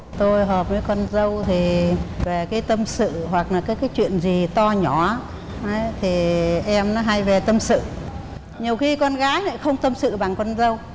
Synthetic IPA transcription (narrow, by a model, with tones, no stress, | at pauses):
t̪o˧jɦəː˨˩p̚məː˨˦jkə˧nzə˧wt̪ʰi˨˩ve˨˩kaː˨˦jt̪ə˧msɨ̰˧˨ɦwa˨˩k̚laː˨˩kaː˨˦jkaː˨˦jt͡ɕwḭ˧˨ənzi˨˩t̪ɔ˧ɲɔ˨˧˩ | ə˨˦jt̪ʰi˨˩ʔɛ˧mnɔ˨˦ɦa˧jve˨˩t̪ə˧msɨ̰˧˨ | ɲi˨˩əwxi˧kɔ˧nɣaː˨˦jnə˧˨˦xə˧wŋ͡mt̪ə˧msɨ̰˧˨ɓa˨˩ŋkwə˧nzə˧w